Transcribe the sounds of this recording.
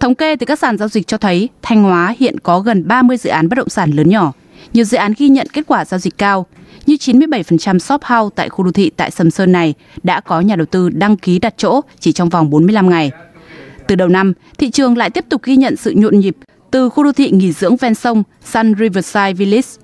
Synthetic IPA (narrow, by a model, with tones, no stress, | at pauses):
t̪ʰə˨˦wŋ͡mke˧t̪ɨ˨˩kaː˦˥k̚saː˧˩nzaː˧zi˨˩k̟̚t͡ɕɔ˧t̪ʰə˨˦jt̪ʰa˧jŋ̟hwaː˨˦hḭ˧˨ənkɔ˨˦ɣə˨˩nɓaː˧mɨ˧əjzɨ̰˧˨ʔaː˨˦nɓa˦˥t̚ɗə̰˧˨ŋ͡msaː˧˩nləː˨˦nɲɔ˧˩ | ɲi˨˩əwzɨ̰˧˨ʔaː˨˦nɣi˧ɲə̰˧˨nke˦˥t̚kwaː˧˩zaː˧wzï˨˩k̟̚kaː˧wɲɨ˧t͡ɕi˨˦nmɨ˧əjɓə˧˩jfə˨˩nt͡ɕa˧msɔ˦˥p̚ha˧wt̪a̰ː˧˨jxu˧ɗo˧˩t̪ʰḭ˧˨t̪a̰ː˧˨jsə˨˧˩msəː˧nːa˨˩j | ɗa̰ː˧˥kɔ˨˦ɲaː˨˩ɗə˨˩wt̪ɨ˧ɗa˧ŋki˨˦ɗa˨˩t̚t͡ɕo̰˧˥t͡ɕi˧˩t͡ɕɔ˧wŋ͡mva˨˩wŋ͡mɓo˨˦nmɨ˧əjla˧mŋa˨˩j | t̪ɨ˨˩ɗə˨˩wna˧m | t̪ʰḭ˧˨t͡ɕɨ˨˩əŋla̰ː˧˨jt̪i˦˥əp̚t̪ʊ˨˩k̚ɣi˧ɲə̰˧˨nsɨ̰˧˨ɲo̰˧˨nɲi˨˩p̚ | t̪ɨ˨˩xu˧ɗo˧t̪ʰḭ˧˨ŋi˧˩zɨ̰˧˥əŋvɛ˧nsə˧wŋ͡m | sa˧nzi˧vəː˧˩saː˧jvi˧li˦˥s